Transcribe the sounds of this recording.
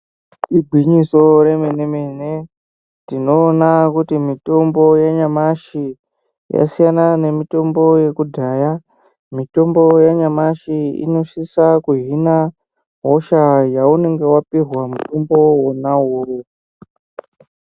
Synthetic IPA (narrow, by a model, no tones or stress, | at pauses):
tiɡʱwiɲiso̞ɾe̞menemene | tino̞ːnakutimito̞mbo̞jaɲamaʃi | ja̰sijanane̞mito̞mbo̞je̞kudʱaːja | mito̞mbo̞jaɲamaʃiḭno̞ʃisakuɦina | ɦoʃajaune̞ŋɡe̞wapirwamuto̞mbo̞wonawo